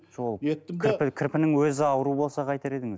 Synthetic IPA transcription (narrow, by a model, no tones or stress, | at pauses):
ʒolˠet̪ːʲʰɪɾpɪkʲʰɪɾpɪnɪŋwɵzɪɑwəɾubo̞lˠsɑqʰɑjt̪ɑɾe̞d̪ɪŋɪz